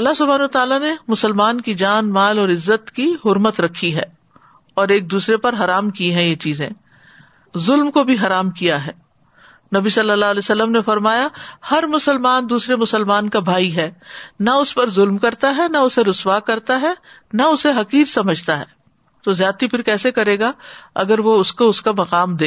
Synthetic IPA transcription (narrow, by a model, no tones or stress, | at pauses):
ɐlːaɦsʊbʱaːnɐat̪aːlanemʊsəlmaːnkid͡ʒaːnmaːlɔːɾɪzːət̪kiɦʊɾmət̪ɾɐkʰːiɦɛː | ɔːɾeːk̚d̪uːsɾepɐɾɦɐɾaːmkiɦɛ̃jet͡ʃiːzẽː | zʊlmkobʱiɦɐɾaːmkijaɦɛː | nɐbisɐlːəlːaːlɛːsɐlːəmnefɐɾmaːjahɐɾmʊsəlmaːnd̪uːsɾemʊsəlmaːnkabʱaːiɦɛːnɐʊspɐɾzʊlmkɐɾt̪aɦɛnaʊseɾʊswakɐɾt̪aɦɛ | nɐʊseɦɐqiːɾsɐməd͡ʒʱt̪aɦɛ̰ː | t̪ozjaːt̪ipʰɪɾkɛːsekɐɾeːɡaɐ̰ɡəɾʋoʊskoʊskamɐqaːmd̪eː